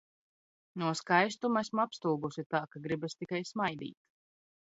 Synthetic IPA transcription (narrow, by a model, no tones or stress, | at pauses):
nuɔskajs̬t̪umasmapst̪uːɡusit̪aːkaɡɾibast̪ikajsmajd̪ḭːt̪